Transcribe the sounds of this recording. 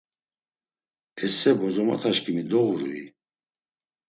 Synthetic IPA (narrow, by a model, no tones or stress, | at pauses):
ɛsɛbɔzɔma̰t̪ʰaʃkʼimid̪ɔɣuɾṵḭ